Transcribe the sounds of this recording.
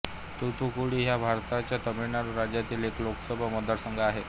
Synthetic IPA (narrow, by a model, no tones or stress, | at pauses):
t̪ut̪ukuɽiːɦjabʱaɾt̪at͡ɕjat̪əmiɳaɾuɾad͡ʑjat̪iːlekloksəbʱəməd̪əɾsəŋɡəaɦe